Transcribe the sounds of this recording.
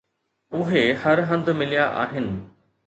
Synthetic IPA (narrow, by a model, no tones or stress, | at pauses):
ʊɦehɐɾɦɐ̃nd̪mɪlijaʔa̰ːɦɪnɪ̆